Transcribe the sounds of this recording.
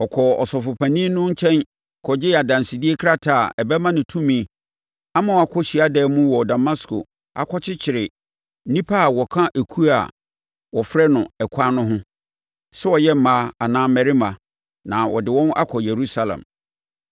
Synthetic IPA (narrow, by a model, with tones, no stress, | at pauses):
ɔ˨kʰɔ˨ɔ̰˨sɔ˨fʊ˨pʰã˨nĩ˦nʊ̃˦ɲ̩˦t͡ɕʰɛ̃˦n | kʰɔ˨d͡ʑɪ˦a˨dã˨nsɪ˨di˦e˦kʰɾa˦tʰa˨ɛ˨bɛ˦mã˦nɪ̃˨tʰũ˦mĩ˦ | a˦mã˨wɔ˨a˨kʰɔ˦ɕi˨a˦dɛː˨˦mũ˦wɔ˨da˨ma˦skʰo̰˨ | a̰˨kʰɔ˦t͡ɕʰɪ˦t͡ɕʰɪ˨ɾɪ˨˦ | nĩ˦pʰa˦˨wɔ˨kʰã˦ʔe˨kʰu˦a̰˨ | wɔ˨fɾɛ˦nʊ̃˨ɛ˨kʷʰa˦nʊ̃˦ɦʊ̃˦ | sɛ˦wɔ˨jɛ˦m̩˦mãː˦a˨nãː˦mɛ˨ɾɪ˦mã˨ | nã˨wɔ̰˨dɪ˨wɔ̃˦na̰˦kʰɔ˨je˨ɾu˦sa˨lã̰˨m